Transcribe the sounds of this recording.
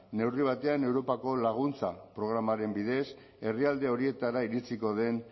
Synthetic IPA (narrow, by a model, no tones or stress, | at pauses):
ne̞wriβ̞at̪e̞ane̞wɾo̞pako̞laɣ̞unt͡sapɾo̞ɣ̞ɾamaɾe̞mbiðe̞s | e̞riald̪e̞o̞ɾie̞t̪aɾaiɾit͡siko̞ð̞e̞n